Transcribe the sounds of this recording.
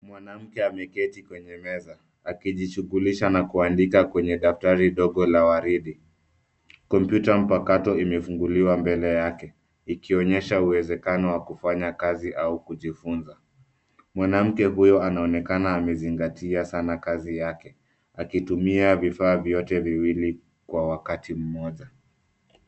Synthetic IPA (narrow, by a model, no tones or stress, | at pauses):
mwanam̩kɛamɛkɛtikwɛɲɛmɛzaː | kiʄiʃuɣuliʃanakuandikakwɛɲɛɗaftaɾiɗɔɠɔlawaɾiɗi | kɔmpjutam̩pakatɔimɛfuŋɡuliwambɛlɛjakɛ | ikiɔɲɛʃauwɛzɛkanɔwakufaɲakaziʔaukuʄifunza | mwanam̩kɛɦujɔanaɔnɛkanaːmɛziŋɡatʰiasanakazijakɛ | akitumiavifaːvjɔtɛviwili | kwawakatim̩mɔʄa